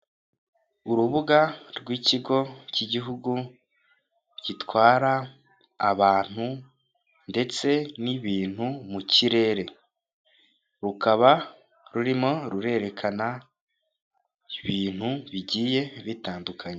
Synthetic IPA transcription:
uɾuβuɡaɾɡwiciɡo̞ciɟiɦuɡu | ɟitwaːɾaː | βaːn̥hu | nde̞t͡se̞niβiːn̥humuciɾe̞ːɾe̞ | ɾukaβa | ɾuɾimo̞ɾuɾe̞ɾe̞kʰana | iβiːn̥huβiɟiːje̞βitaːndukʰaɲe

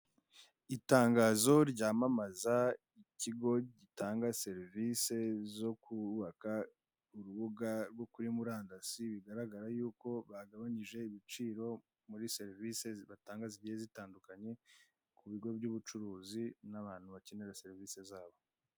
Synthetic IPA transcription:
itaːŋɡaːzo̞ɾɟaːmamaza | iciɡo̞ɟitaːŋɡase̞ɾvise̞zo̞kuβaka | uɾuβuɡaɾɡwo̞kuɾimuɾaːndasiβiɡaɾaɡaɾajuːko̞βaɡaβaɲiʒe̞iβit͡ʃiːɾo̞ | muɾise̞ɾvise̞βataːŋɡaziɟihezitaːndukaɲe̞ | kuβiɡo̞bɟuβut͡ʃuɾuːzinaβaːn̥huβace̞neɾase̞ɾivise̞zaːβo̞

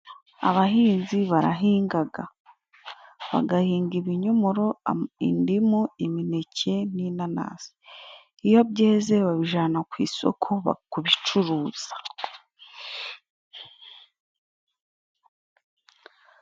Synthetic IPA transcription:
a̰βaɦiːnziβaɾa̰ɦiːŋɡaɡa̰ | βa̰ɡahiːŋɡiβiɲomuɾoḭndimuimine̞cʰe̞ninana̰ːz̥i̥ | ijo̞bje̞ːze̞βaβiʒaːnakwḭːso̞̰kʰoβa̰kuβit͡ʃuɾuːz̥ḁ

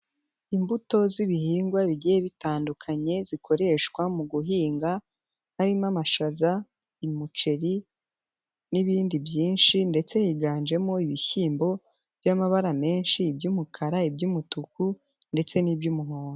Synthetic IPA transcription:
imbuto̞ziβihiːŋɡwaβiɟijeβitaːndukʰaɲe̞zikʰo̞ɾe̞ʃkwamuɡuɦiːŋɡa | haɾimamaʃaza | imut͡ʃe̞ɾi | niβiːndibjiːnʃinde̞t͡se̞hiɡaːnd͡ʒe̞mo̞iβiçiːmbo̞ | vjamaβaɾame̞ːnʃiːbjumukʰaɾaibjumutuku | nde̞t͡se̞nibjumuɦoːno

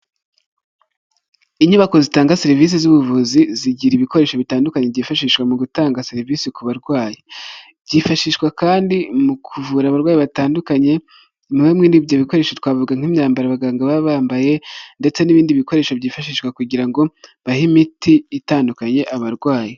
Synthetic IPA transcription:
iɲuβako̞zitaːŋɡaseɾivis̬izuβuvuziziɟiɾiβiko̞ɾe̞ːʃoβitaːndukaɲeɟiːfaʃiːʃkwamuɡutaːŋɡaseɾiviːsikuβaɾɡwaːjibɟiːfaʃiːʃkwakaːndimukʰuvuɾaːβaɾɡwaːjiβataːndukaɲe̞ | muwemŋiːndivjo̞βiko̞ɾe̞ːʃotwaːvuɡaŋ̥imɲaːmbaɾaβaɡaːŋɡaβaβaːmbaje̞nde̞t͡se̞niβiːndiβiko̞ɾe̞ʃoβɟiːfaʃiːʃwakuɟiɾaŋɡo̞βahimitʰiːtaːndukaɲe̞ʔaβaɾɡwaːji

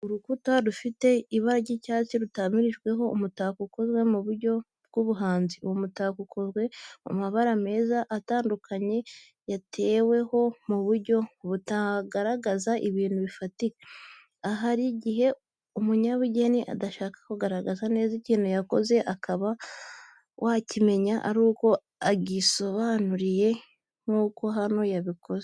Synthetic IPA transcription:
uɾukutaɾufite̞iβaɾaɟicaːt͡siɾutamiɾiʒɡwe̞ɦo̞umutaːkuko̞zɡwe̞muβuɾɟo̞ | b̚ɡ̥uβuɦaːnziwomutaːkukʰozɡwe̞o̰maβaɾame̞ːzaʔːtaːndukʰaɲe̞ | jatʰe̞ːwe̞ho̞muβuɾɟo̞βutaɡaɾaɡazaʔiβiːn̥huβifatike | aɦaɾiɟiɦe̞ | umuɲaβuɟe̞niʔa̰daʃaːkḁkuɡaɾaɡazane̞ːziciːnujako̞ze̞ʔakʰaβa | wʔacime̞ɲaʔa̰ɾuːko̞ | aɡiso̞βaːnuɾije̞ | ŋ̥uːko̞ɦano̞jaβiko̞ze

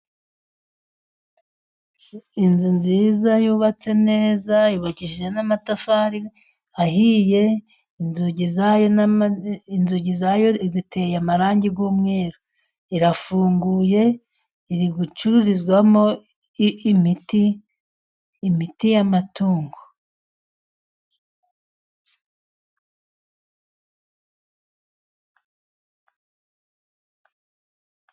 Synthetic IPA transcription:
inzunzizajuːβat͡se̞ne̞ːzajuβaciʒʒenamatafaɾi | aɦije̞ | inzuɟizajo | inzuɟizajo̞zitʰe̞jamaɾaːɲɟiɡuːmŋe̞ːɾo | iɾafuːŋɡuːje̞ | iɾiɡut͡ʃuɾuɾizɡwamo̞ | miti | mitijamatuːŋɡo

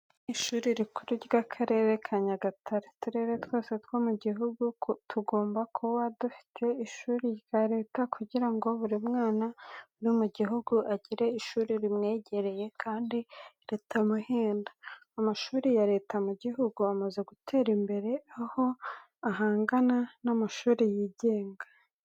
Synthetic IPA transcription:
niʃuːɾiɾikʰuɾiɾɡakʰaɾe̞ːɾekʰaɲaɡatʰaɾetuɾe̞ɾetwo̞ːse̞twomuɟiɦuɡutʰuɡo̞ːmbakʰowadufi̥tʰe̞iʃuːɾiɡaɾe̞ːtakʰuɟiɾaŋɡo̞βuɾimŋaːnanumuɟiɦuɡuʔaɟiɾe̞iʃuːɾiɾimŋe̞ːɟe̞ɾe̞je̞kʰaːndiɾe̞ːtʰamuheːndaːmaʃuːɾijaɾe̞ːtamuɟiɦuɡuamaze̞ɡutʰe̞ːɾimbe̞ɾe̞aho̞ | aɦaːŋɡananamaʃuːɾijiːɟe̞ːŋɡa

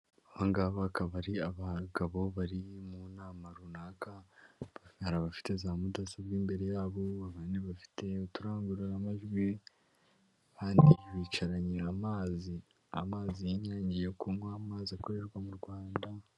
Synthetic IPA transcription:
aβaŋɡaβakaβaɾiaβaɡaβo̞βaɾimunaːmaɾunaːka | haɾaβafi̥te̞zaːmudasaβɡiːmbe̞ɾe̞jaːβo̞aβaːneβafi̥tʰe̞utuɾaːŋɡuɾiɾamaʒɡwi | haːndiβiːt͡ʃaɾaɲeamaːzi | a̰maːzijiɲaːɲɟijekumwaːmaːziakoɾeɾɡwamuɾɡwaːnda

